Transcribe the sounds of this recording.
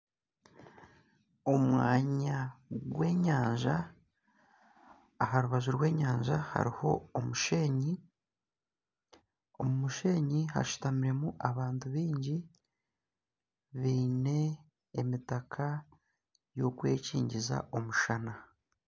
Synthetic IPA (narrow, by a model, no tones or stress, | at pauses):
o̞mwaːɲaɡwe̞ːɲaːɲʒa | ɦaɾuβazuɾɡwe̞ːɲaːɲʒaha̰ɾiho̞̰ːmuʃe̞ːɲi | o̞mumuʃe̞ːɲiha̰ʃu̥tamiɾe̞muʔaβaːntuβiːɲɟi | βiːne̞ː | mitakʰa | jo̞kwe̞̰ːcḭːɲɟiza̰ʔo̞muʃana